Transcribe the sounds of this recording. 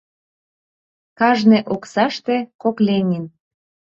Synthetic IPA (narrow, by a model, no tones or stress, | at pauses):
kɑʒneʔoksɑʃt̪ekoklenʲin